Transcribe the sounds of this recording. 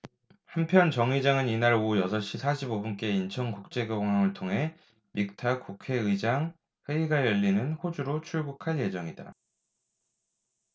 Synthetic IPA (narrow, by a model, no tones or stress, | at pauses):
hampʰjʌnt͡ɕʌŋid͡ʑaŋɯninaɾojʌsʰʌɕ͈isʰaɕʰibobunk͈e̞int͡ɕʰʌŋkuk̚t͡ɕ͈e̞ɡoɡoŋɦaŋɯɭtʰoŋɦe̞ | mik̚tʰak͈ukʰe̞ɯid͡ʑaŋ | ɸeiɡajʌʎːinɯnɸod͡ʑuɾot͡ɕʰuɭɡukʰanje̞d͡ʑʌŋida̰